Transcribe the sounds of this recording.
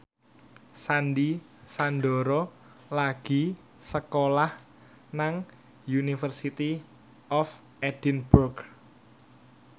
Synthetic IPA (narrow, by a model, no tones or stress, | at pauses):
sandi | sand̪ɔɾɔ | laɡ̥i̤ | səkolah | naŋ | junifərsit̪i | ɔf | ɛd̥inburɡ